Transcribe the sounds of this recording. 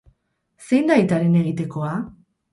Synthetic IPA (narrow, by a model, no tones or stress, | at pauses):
se̞jnd̪ajt̪aɾe̞ne̞ɣit̪e̞koa